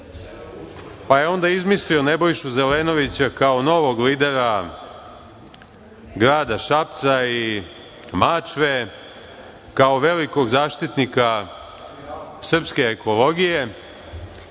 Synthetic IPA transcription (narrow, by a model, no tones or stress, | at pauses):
paje̞o̞nd̪aizmislio̞ne̞bo̞jʃuze̞le̞ːno̞ʋit͡ɕakaono̞ʋo̞ɡliːd̪e̞ɾa | ɡɾaːd̪aʃap̚t̪sai | maːt͡ʃʋe̞ | kaoʋe̞liko̞ɡzaːʃt̪it̪nika | sr̩pske̞ːko̞lo̞ɡije̞